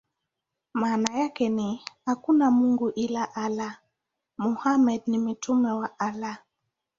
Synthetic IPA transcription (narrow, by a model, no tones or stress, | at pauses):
maːnajakɛnihakunamuŋɡuʔilaʔala | muhamɛd̚nim̩tʰumɛwaʔala